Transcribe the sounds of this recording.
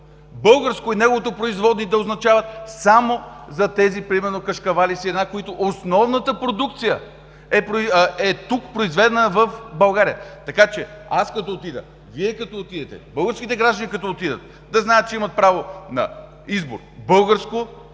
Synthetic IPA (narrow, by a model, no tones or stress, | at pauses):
bɤlˠɡəɾskoinɛɡovot̪opɾoizvɔd̪nid̪ɐoznɐt͡ʃavət̪samozɐt̪ɛzipɾimɛɾnokɐʃkɐvalisiɛd̪nakoit̪oʔosnɔvnət̪əpɾod̪uk̚t̪sijə | ɛpɾoɛt̪ukpɾoizvɛd̪ɛnəvəfbɐlˠɡaɾijət̪ɐkat͡ʃɛaskɐt̪ɔot̪id̪ə̰ | viɛkɐt̪ɔot̪id̪ɛt̪ɛ̰bɤlˠɡəɾskʲit̪ɛɡɾaʒd̪ənikɐt̪ɔot̪id̪ə̰t̪ | d̪ɐznajət̪t͡ʃɛimɐt̪̚pɾavonɐ̰ | izbo̰ɾbɤlˠɡəɾsko